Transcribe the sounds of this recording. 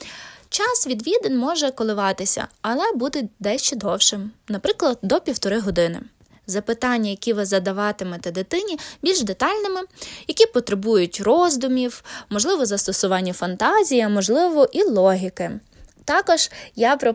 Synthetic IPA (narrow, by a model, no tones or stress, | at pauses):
t͡ʃɑsʋʲid̪ʋʲid̪enʲmɔʒɛkɔlˠɪʋɑt̪ɪsʲɐ̰ɐlˠɛbud̪ɛd̪ɛʃt͡ʃɛd̪ɔwʃɪmnɐpɾɪklˠɐd̪̚d̪ɔpʲiwt̪ɔɾɪɦɔd̪ɪnɪ̰ | zɐpɪt̪ɑnʲːɐjɐkʲiʋɪzɐd̪ɐʋɑt̪ɪmɛt̪ɛd̪ɪt̪ɪnʲibʲilʲʒd̪et̪ɑlʲnɪmɪjɐkʲipɔt̪ɾebujʊtʲrɔzd̪ʊmʲiwmɔʒlˠɪʋɔzɐst̪ɔsʊʋɑnʲːɐfɐnt̪ɑzʲijɐmɔʒlˠɪʋɔʔilˠɔɦʲikɪ | t̪ɑkɔʒ̥japɾɔ